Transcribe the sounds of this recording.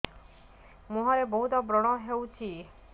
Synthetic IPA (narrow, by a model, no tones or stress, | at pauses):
muɦaɾebɔɦut̪ɔbɾɔɽ̃ɔɦewt͡ʃʰi